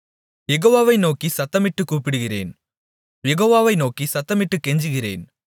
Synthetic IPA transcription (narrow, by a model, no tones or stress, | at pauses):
jɛɣoːʋaːʋɐɪnoːkisɐt̪ːɐmɪʈːɯkːuːpɪɽɯɣɪrḛːn | jɛɣoːʋaːʋɐɪnoːkisɐt̪ːɐmɪʈːɯkːɛɲd͡ʒɯɣɪrḛːn